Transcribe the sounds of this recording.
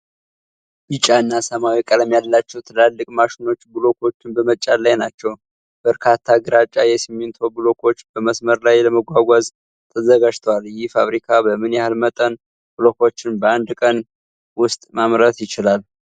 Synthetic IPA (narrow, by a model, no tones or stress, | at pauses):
bɨt͡ʃʼaɨnːasəmawikʼələmjalːat͡ʃːɛwt̪ʰɨlalːɨkʼmaʃɪno̞t͡ʃːbɨlo̞kʰo̞t͡ʃːɪnbəmət͡ʃʼalːajnat͡ʃːɛw | b̥əɾkʰat̪ʰːaɡɨɾat͡ʃʼːajɛsɨmːɪnt̪ʰobɨlo̞kʰo̞t͡ʃːb̥əməsməɾlajləməɡʷaɡʷaz | t̪ʰəzəɡad͡ʒt̪ʰəwaljɪhfaβɾikʰabəmɨnjɛhalmət̪ʼən | b̥ɨlo̞kʰo̞t͡ʃːɪnbəand̪kʼən | wʊst̪ʼmamɾət̪jɪt͡ʃɪlal